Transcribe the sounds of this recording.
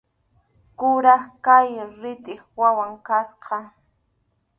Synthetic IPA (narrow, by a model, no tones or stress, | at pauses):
kʊɾɑχkajɾɪt̪ɪχwawaŋkasqɑ